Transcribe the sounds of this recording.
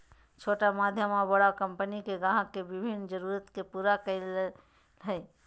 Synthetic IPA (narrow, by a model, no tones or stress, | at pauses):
t͡ʃʰoːʈamaːd̪ʱjəmabəɽakəmpənikeɡaɦãkebɪbʱind͡ʒəɾuːɾət̪kepuːɾakəl | ɦɛe